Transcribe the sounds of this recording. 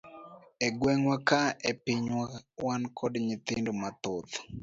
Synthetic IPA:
ɛɡwɛŋwakaepɪɲwawankʰɔdɲɪt̪ɪndomat̪ot̪

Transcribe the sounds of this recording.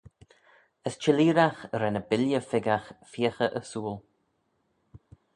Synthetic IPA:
əst͡ʃɪliːɾaxɾɛnəbɪljəfɪɡaxfiːxəʔəsuːl

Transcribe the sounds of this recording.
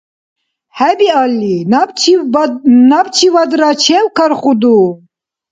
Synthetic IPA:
hɛbialːin | nabt͡ʃʰivad̪ɾat͡ʃʰɛwkʰaɾχud̪u

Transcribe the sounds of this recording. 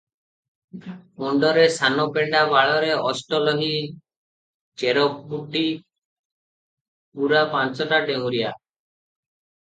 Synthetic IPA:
mɔɳɖɔɾesanɔpeɳɖabaɭɔɾeɔsʈɔlɔɦi | t͡ʃeɾɔk̚buʈi | puɾapãnt͡ʃɔʈaʈewɾia

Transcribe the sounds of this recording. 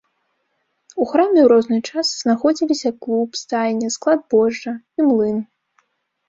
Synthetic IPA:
uxɾamʲɛwɾɔznɨjt͡ʂasz̥naxɔd͡zʲilʲisʲɐklˠupst̪ajʲnʲɛsklˠad̪̚bɔʐːɐ | imlˠɨn

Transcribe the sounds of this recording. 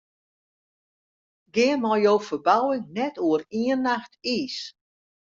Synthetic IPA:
ɡɪːənmɔjoːfəbawəŋnɛtuəriənːaxtiːs

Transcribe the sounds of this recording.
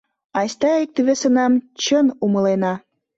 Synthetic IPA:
ɑsʲt̪ɑik̚t̪yβesə̆nɑmt͡ɕənumə̆lenɑ

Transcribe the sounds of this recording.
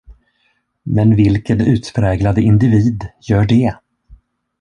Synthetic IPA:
mɛnvɪlkənʉ̟ːt̪pʰɾɛːɡlad̪əɪnd̪ɪviːd̪jœːɖɛ

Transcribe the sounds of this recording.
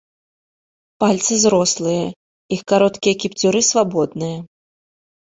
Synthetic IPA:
palʲt̪sɨzɾɔslˠɨjɐ | ixkaɾɔt̪kʲijɐkʲipt͡sʲuɾɨsvabɔd̪̚nɨjɐ

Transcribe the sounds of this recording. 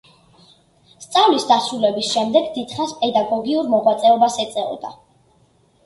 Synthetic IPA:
st̪sʼavlisd̪asɾulɛbisʃɛmd̪ɛɡd̪id̪χaspʼɛd̪aɡɔɡiuɾmɔʁwat̪sʼɛɔbasɛt̪sʼɛɔ̰d̪a

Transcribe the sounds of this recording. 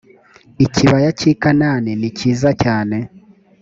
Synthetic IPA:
iciβajacikanaːneniciːzacaːne̞

